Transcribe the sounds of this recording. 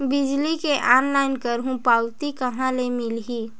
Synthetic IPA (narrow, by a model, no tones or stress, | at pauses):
bɪd͡ʒlikeʔaːnlaːɪnkəɾɦũpaːʊt̪ikɐɦãlemɪlɦiː